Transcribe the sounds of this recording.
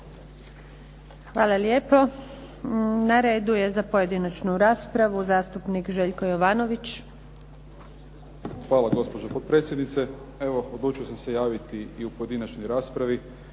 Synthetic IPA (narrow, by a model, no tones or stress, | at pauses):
xʋaːlˠaljeːpo̞ | naɾe̞ːd̪uje̞zapoje̞d̪inat͡ʃnuɾaːspɾaʋuzaːst̪upnikʒeːʎko̞joʋaːno̞ʋit͡ʃ | xʋaːlaɡo̞spo̞d͡ʒopot̪̚pɾet̪sjed̪nit̪se | eʋo̞od̪luːt͡ʃijosamsejaːʋit̪iiupoje̞d̪inat͡ʃnojɾaːspɾaʋi